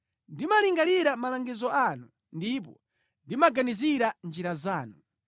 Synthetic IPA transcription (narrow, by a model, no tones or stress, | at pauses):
ndimaliŋɡaliɾamalaŋɡizɔanu | ndip̬ɔ̰ | ndimaɡaniziɾand͡ʒiɾazaːnu